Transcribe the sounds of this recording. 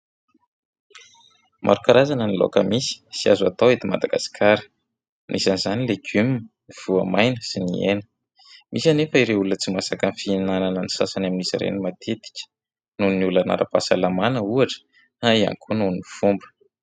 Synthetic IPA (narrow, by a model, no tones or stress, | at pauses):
mʔa̰ɾukaɾazanənilo̰kəmisi̥siazat̪owet̪ima̰d̪aɡasi̥kʰaɾi̥ | nisanizanileɡym | iv̥uamajnəsinienə̥ | mʔisanefəiɾeulunət͡simasakənfinananənisasanaminizḭɾḛnimat̪ʰet̪i̥kʲə̥ | nuniulana̰ɾa̰pasalamanəuaʈ͡ʂə̥ | aia̰ŋkʰununifumbə̥